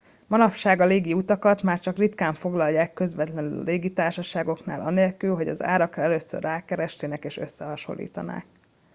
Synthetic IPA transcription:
mɒnɒpʃaːɡɒleːɡiut̪ɒkɒt̪maːrt͡ʃɒkrit̪kaːɱfo̞ɡlɒlːaːkːø̞zʋɛt̪lɛnylɒ̰leːɡit̪aːrʃɒʃaːɡo̞kna̰ːlʔɒneːlkylɦo̞ɟɒ̰za̰ːɾɒkɛløːsø̰rːaːkɛɾɛʃt̪eːnɛkeːʃø̞̰sːɛɦɒʃo̰lːḭːt̪ɒ̰na̰ːk̚

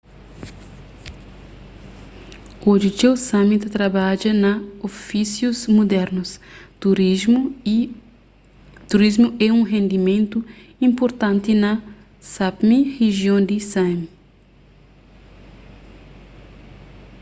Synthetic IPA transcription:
od͡ʒit͡ʃewsamit̪ɐt̪ɾɐbad͡ʒɐnɐofisjuzmud̪ɛɾnust̪uɾ | t̪uɾizmuɛũŋɦẽnd̪imẽnt̪u | ĩmpoɾt̪ãnt̪inɐ | sapmiheʒjõnd̪isami

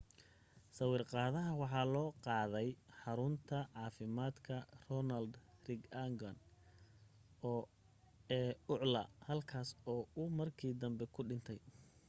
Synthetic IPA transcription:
sɐwiːrqɑːðɐɦɐwɑħɑːlɔːqɑːðɛjħɑɾʊnt̪ʰɐʕɑːfɪmaːd̪kʰɐrɔnɐld̪rɪɡɐŋɡɐn | ɔː | ɛːʊʕlɐhɐlkʰaːsɔːʊmɐrkʰiːd̪ɐmbɛkʰʊɖɪnt̪ʰɛj

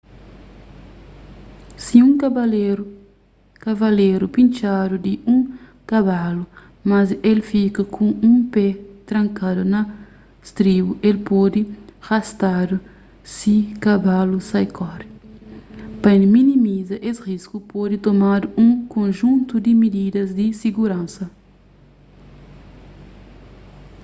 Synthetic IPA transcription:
siũŋkabaleɾ | kavɐleɾupĩnt͡ʃad̪ud̪iʔũŋ | kaβalu | mɐzelfikɐkʰũũpɛt̪ɾɐ̃ŋkad̪unɐ | st̪ɾibuʔelpɔd̪iɣ̥ast̪ad̪u | sikabalusajkʰɔɾ | pɐẽnminimizɐʔesʁiskupod̪it̪omad̪uũŋkõnʒũnt̪ud̪imid̪id̪ɐzd̪isiɡuɾãnsɐ

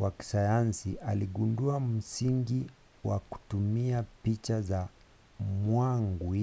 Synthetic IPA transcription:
waki̥sajansiʔaliɠunduam̩siŋɡi | wa̰ku̥tumiapit͡ʃaza | mwaŋɡu

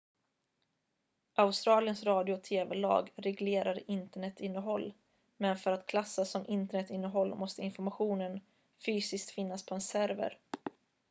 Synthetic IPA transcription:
ʔaʊst̪ɾɑːlɪjənsɾɑːd̪ɪʊt̪ʰeːvɛlɑ̰ːɡɾɛɡleːɾaɾɪnt̪əɳɛt̪ːɪnːəɦɔlː | mɛnfœɾat̪kʰlasːasɔmʔɪnt̪əɳɛt̪ːɪnːəɦɔlːmɔst̪əɪnfɔɾmaɧuːnən | fyːsɪsk̚t̪fɪnːaspʰɔɛnsæɾvə̰ɾ

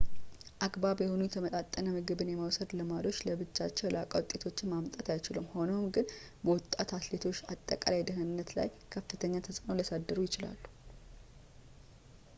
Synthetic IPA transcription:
ʔaɡbaβjɛhonujɛt̪ʰəmət̪ʼat̪ʼːənəmɨɡɨβɨnjɛməwsəd̪ləmalo̞t͡ʃːləbɨt͡ʃːat͡ʃːɛwlakʼawt̪ʼːet̪ʰo̞t͡ʃːɪnmamt̪ʼat̪ajt͡ʃɪlumho̞nowmɡɨn | bəwɔt̪ʼːat̪at̪le̞t̪ʰo̞t͡ʃːat̪ʼːəkʼa̰lajd̪ɨhɨnːət̪la̰j | kʰəfɨt̪ʰəɲːat̪ʰəsʼɨno̞ləsad̪ːəɾujɪt͡ʃɪla̰lːu̥

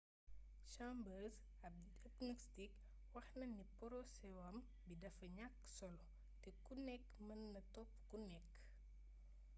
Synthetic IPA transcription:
ʃambəːs | ɐ | ɐknɔstik | wɐxnɐnːipɔɾɔsɛwɐm | bidɐfɐɲakː | sɔl | tɛkunɛkːmɐnːɐtɔpːkunɛkː

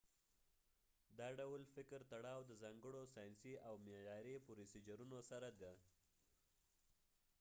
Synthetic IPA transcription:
d̪ɑɖawlfɪkɾt̪aɽɑwd̪əzɑŋɡəɽosɑjnsiʔawmejɑɾepoɾisid͡ʒaɾunosaɾad̪a

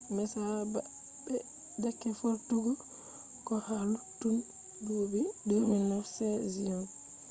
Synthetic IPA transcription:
mɛsaba | bɛ | dakːɛfoɾtuɡɔ | kɔhalutun | dubiduminːɔsɛziɔn

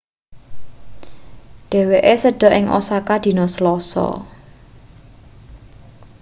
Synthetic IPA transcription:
ɖ̪̥e̤weʔesəɖ̥ɔ̤ʔɪŋʔo̰sakad̪̥i̤nɔsəlɔsɔ̰

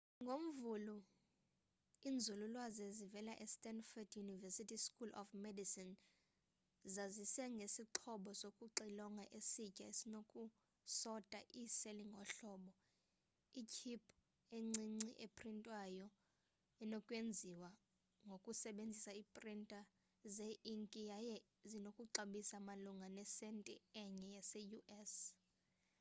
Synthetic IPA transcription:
ŋɡʱom̩vulu | ind͡zʱululwazɛzivɛlaʔɛstʼɛnfɔdjunivɛsitʰiskʰʼulʔɔ̰fmedisin | zazisɛŋɡʱesiǃʰɔɓɔsokʼuǃilɔŋɡʱaʔesicʼaesinokʼu | sɔtʼaʔiseliŋʱɔɬɔːɓɔ | ikʰipʰ | eŋ͡ǀiŋ͡ǀiʔepʰrintʼwajɔ | ɛnokʼwend͡zʱiwa | ŋɡʱokʼusɛɓend͡zʱisaipʼrintʼa | zeʔiŋkʼijajɛ | zinokʼuǁaɓisamaluŋɡʱanɛsɛntʼɛɛɲɛjasɛjuʔɛs

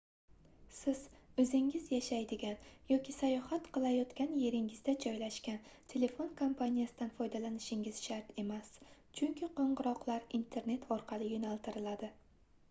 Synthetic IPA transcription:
sɪz̥ɵzɪŋɪzjaʃajd̪ɪɡʲanjɒkʲɪsajɒhat̪qʰɨlˠajɒt̪kʲanje̞ɾɪŋɪzd̪ad͡ʒɒjlaʃkʲant̪ʰe̞le̞fo̞nkʰompʰanʲijasɪd̪anfɒjd̪alanɪʃɪŋɪz̥ʃaɾt̪e̞mas | t͡ʃʰʊŋkʲʰɪqoɴʁɨɾɒqlˠaɾint̪ʰe̞ɾne̞t̪ʰɒɾqʰɑlˠɪjonalˠt̪ʰɪɾɪlad̪ɪ

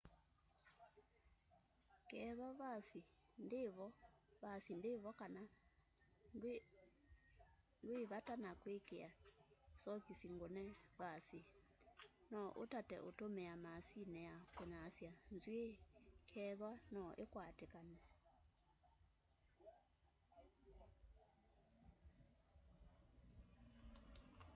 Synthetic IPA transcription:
kɛðwaβasi | ndeβɔβasindɪβɔkana | ndweβatanakwekeasɔkisiŋɡonɛβasi | nɔʔotatɛ̰ʔotomɛamasinɛjakeɲasjanzwekʰɛðwanɔʔekwatekanɛ

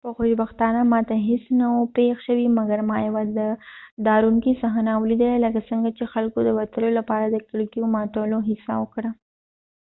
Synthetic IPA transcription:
pəxoʃbaxt̪ɑnamɑt̪aɦɪsnawopexʃəwimɐɡɐɾmɑjawad̪əd̪ɑɾumkisaɦanawlid̪aalakasəŋɡat͡ʃexalkod̪əwɐt̪əlolapɑɾad̪əkɪɽkijomɑt̪əloɦɪsa̰wəkɽa

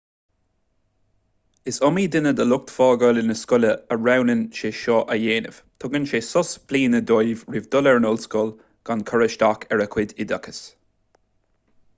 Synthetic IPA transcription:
ɪsɔmiːd̪ɪnəd̪əlʊk̚t̪fɔːɡɔlɪnəskʊləəɹawnənʃeːʃɔʔəjeːnə̰v̥t̪ʰɔɡənʃeːsɔsbliːnəd̪ojvɹɪvd̪ɔlɛɹnɔlskɔl | ɡ̥ankʰɔɹəʃtakʰɛɹəkʰwɪd̪ɪd̪akʰə̥s

